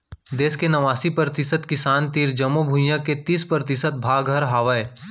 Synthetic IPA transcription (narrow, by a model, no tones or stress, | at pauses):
d̪eːskenɐʋaːsipɾɾət̪ɪsət̪kɪsaːnt̪iːɾd͡ʒɐmobʱʊjãket̪iːspɾɾət̪ɪsət̪̚bʱaːɡʱəɾɦaːʋəe